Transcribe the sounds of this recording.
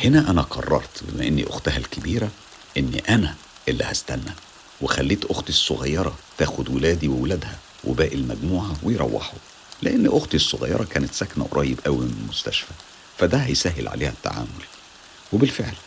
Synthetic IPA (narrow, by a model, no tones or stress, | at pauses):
henæʔænæqʰɑ̰rˤːɑ̰ɾˤt̪bemæʔenːḭʔo̰xt̪æɦælkɪbiːɾæ | ʔen̰ːʔænæ | ʔelːihæst̪ænːæ | wexælːiːt̪ʔoxt̪isˤːoɣɑjːɑɾˤɑt̪æːxʊd̪welæːd̪iwewlæd̪hæ | wʔḛbæːʔilmæɡmuːʕawejɾˤɑ̰wːɑ̰ħo | leʔenːʔoxt̪isˤːoɣɑ̰jːɑ̰ɾˤɑkæːnet̪sæknæ̰wɾˤʔɑːjebʔæwimmost̪æ̰ʃfæ | fæd̪æhæjsæːɦelʕa̰lʔeːhæt̪ːa̰ʕa̰ːmol | webɪlfeʕl